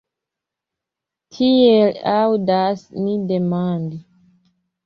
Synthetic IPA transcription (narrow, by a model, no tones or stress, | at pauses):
tʰielawdasnidemandi